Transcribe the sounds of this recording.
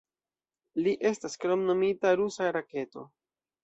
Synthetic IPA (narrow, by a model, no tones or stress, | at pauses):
liʔe̞staskɾo̞mno̞mitaɾusaɾake̞to̞̰